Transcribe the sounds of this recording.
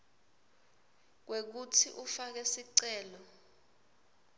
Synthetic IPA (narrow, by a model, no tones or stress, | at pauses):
k̬wek̬utʰiʔufak̬ɛsiǀɛːlɔ